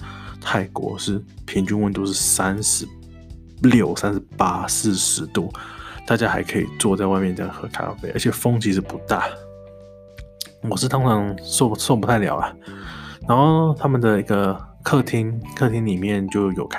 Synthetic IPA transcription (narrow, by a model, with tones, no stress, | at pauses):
t̪ʰa˥˩ɪkwɔ̰˧˥ʂɻ̩˥˩pʰi˧˥ŋt͡ɕy˥nwə˧˥nt̪o˥ʊʂ̬ɻ̩˥˩sa˥nʂɻ̩˧˥ | ljo˥˩ʊsa˥nʂ̩˧˥pa˥sɹ̩˥˩ʂɻ̩˧˥t̪u˥˩t̪a˥˩t͡ɕja˦˥xa˧˥ɪkʰɤ˧˥ḭ˨˩t͡swɔ˥˧t͡sa˥˧ɪwa˥˧ɪmjɛ˥˩nə˩xɤ˧˥kʰa̰˥˩fe˥˩ɪə̰˞˧˥t͡ɕʰjɛ˨˩fo˥ŋt͡ɕʰi˧˥ʂɻ̩˥˩pu˧˥t̪a˥˩ | wɔ˨˩ʂɻ̩˥˩t̪ʰʊ˥ŋt͡sʰɑ˧˥ŋso˥˩so˥˩p̬u˥t̪ʰa˥˩ɪljɑ̰˨˩ʊɐ˩na˧˥nxo˥˩˧ʊt̪ʰa˥mə˨nd̪ə˩i˧˥ɡə˨kʰɤ˥˧˩t̪ʰi˧˥ŋkʰɤ˥˧˩t̪ʰi˧˥ŋli˨˩mjɛ˥˩nt͡ɕjo˥˩ʊjo˨˩ʊkʰ